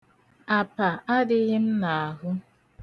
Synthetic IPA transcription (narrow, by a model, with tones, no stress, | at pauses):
a˨pa˨a˦dɪ˦ɣɪ˦m̩˦na˨a˨ɦʊ˦